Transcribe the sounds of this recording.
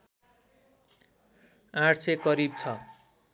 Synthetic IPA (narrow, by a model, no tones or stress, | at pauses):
ãʈʰsekʌɾibt͡sʰʌ